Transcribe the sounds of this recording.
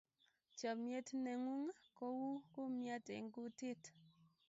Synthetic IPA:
t͡ʃɔ˨mje˦tne˨ŋu˦ŋ˦ko˦wu˦ku˦mja˦tḛ˨ŋ̩˦ku˦te˦t

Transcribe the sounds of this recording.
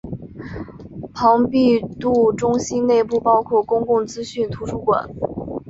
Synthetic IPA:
pʰɑ˧˥ŋpi˥˧t̪u˥˩ʈ͡ʂʊ˥ŋɕi˥nne˥˧ɪpu˥˩pɑ˥ʊkʰwɔ˥˩kʊ˥ŋkʊ˥˩ŋt͡sɹ̩˥ɕy˥˩nt̪ʰu˧˥ʂʰu˥kwa̰˨˩˦n

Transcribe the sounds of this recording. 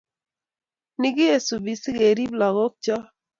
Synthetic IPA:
nɪ˦ɡɪ˦e˨su˨bi˨sɪ˦ɡe˨ɾi˦bla˨ɣɔ˦k̚t͡ʃɔ˦

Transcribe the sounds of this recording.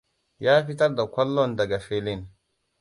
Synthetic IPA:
jaː˦ɸi˦ta˦ɾda˨kʷɔ˦lːɔ˦˨nda˨ɡa˨fe˦li˦˨n

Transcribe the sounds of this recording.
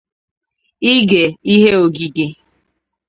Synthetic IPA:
i˦ɡe˨i˦ɦe˦o˨ɡi˨ɡe˨

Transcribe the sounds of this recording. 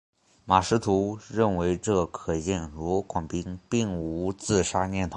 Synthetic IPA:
ma˨˩ʂɻ̩˧˥t̪ʰu˧˥ɻə˥˩nwe˧˥ɪʈ͡ʂɤ˥˩kʰɤ˨˩jɛ˥˩nɻu˧˥kwa˨˩ŋpi˥ŋpi˥˩ŋu˧˥t͡sɹ̩˥˩ʂa˥njɛ˥˩nt̪ʰo˧˥˦

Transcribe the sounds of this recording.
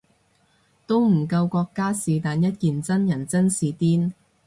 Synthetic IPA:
t̪o˥wm̩˨˩kɐ˧wkɔː˧kːaː˥siː˨t̪aː˨njɐ˥t̚kiː˨nt͡sɐ˥njɐ˨˩nt͡sɐ˥nsiː˨˧t̪iː˥n

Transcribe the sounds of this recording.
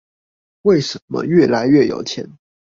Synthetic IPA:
we˥˩ɪʂə˧˦nmə̰˦ɥɛ˥˩la˧˥ɪɥɛ˥˩jo̰˨˩ʊt͡ɕʰjɛ̰˧˥˦n

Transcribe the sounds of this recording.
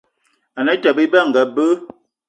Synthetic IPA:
a˨nə˦ta˨bi˦ba˦˨ŋ̩˨ɡa˨bə˦

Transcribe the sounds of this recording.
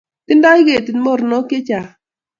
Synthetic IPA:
tɪ˦nda˦ɡe˨ti˨nmɔ˦ɾnɔ˦kɪ˦t͡ʃa˨

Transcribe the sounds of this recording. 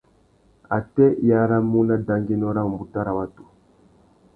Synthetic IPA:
a˨tɛ˦ja˨˦ɾa˦mu˦na˦da˨ŋɡi˦nɔ˦ɾa˦ŋ˨mbu˨ta˦ɾa˨wa˦tu̥˨

